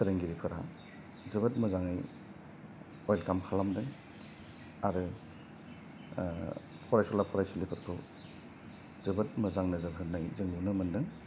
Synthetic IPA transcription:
sɯɾɯŋɡiɾipʰɯɾa | zɯbɯt̚mɯzaŋɯj | ɔjlkamkʰalamdɯŋ | aɾɯ | pʰɔɾajsɔlapʰɔɾajsulipʰɯɾkʰɯw | zɯbɯt̚mɯzaŋnɯzɯɾɦɯnnːajzɯŋnunɯmɯndɯŋ

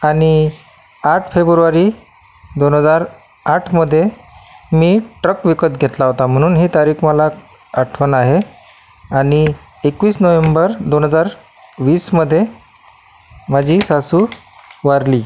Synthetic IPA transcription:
aɽ̃i | aʈʰfebɾuʋaɾiː | d̪onɦəd͡zaɾ | aʈʰməd̪ʱːjemiːʈɾəkʋikət̪ɡʱet̪laɦot̪am̤əɽ̃uːnɦiːt̪aɾiːkʰməla | aʈʰʋənaɦe | aɽ̃i | ekʋiːsnəʋembəɾd̪onɦəd͡zaɾ | ʋiːsməd̪ʱːje | mad͡ʑʱiːsasuː | ʋaɾli

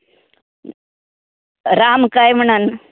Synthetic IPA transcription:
ɾamkajm̤əɳən

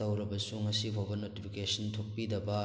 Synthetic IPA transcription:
ɐwɾɐbɐsuŋɐsibʱobɐnotipʰikesɐntʰok̚pidɐbɐ

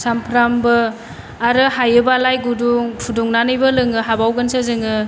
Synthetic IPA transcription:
sampʰɾambɯ | aɾɯhajɯbalajɡuduŋpʰuduŋnanɯjbɯlɯŋɯɦabawɡɯnsɯzɯŋɯ

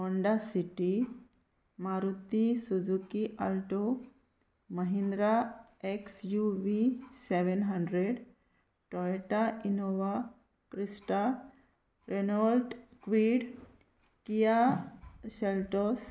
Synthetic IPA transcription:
ɔɳɖasiʈi | maɾut̪isud͡zukiʔalʈo | məɦĩnd̪ɾa | eksjuʋiseʋenɦaɳɖɾeɖ | ʈɔeʈainoʋa | kɾisʈa | ɾenolʈkʋiɽ | kija | ɕelʈos

